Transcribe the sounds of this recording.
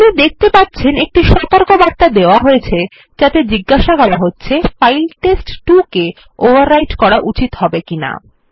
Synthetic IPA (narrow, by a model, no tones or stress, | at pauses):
t̪inid̪ek̚ʰt̪epatːɕʰenek̚ʈiʃɔt̪oɾkobaɾt̪ad̪eoaɦojet͡ɕʰe | d͡ʑat̪ed͡ʑiɡːaʃakɔlaɦotːɕʰefajlʈesʈʈuke | obaɾːajʈkɔɾaʔut͡ɕit̪hɔbekina̰